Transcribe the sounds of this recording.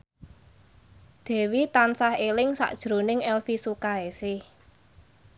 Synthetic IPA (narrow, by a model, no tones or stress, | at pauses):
d̪̥ɛ̤wit̪ansahelɪŋsa̰ʔd̥ʒ̥ɾo̤nɪŋɛlfisukaesɪh